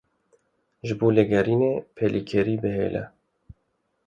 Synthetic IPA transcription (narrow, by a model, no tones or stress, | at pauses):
ʒɨboːleɡɛɾiːneːpʰelikʰɛɾiːbɨɦḛːlʔɛ̰